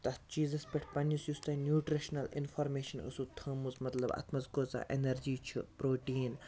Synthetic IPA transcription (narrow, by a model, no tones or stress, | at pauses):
t̪ɐt͡ʃiːzɐspʲeʈʰpɐnjisjust̪ɐnjuːʈɾiʃnɐlḭnfʰɐɾmeːʃɐnə̰sut̪ʰɐːmuzmɐt̪lɐbɐ̰t̪ʰmɐzkoːt͡sa̰ʔenɐɾd͡ʒiːt͡ʃʰupɾoːʈiːn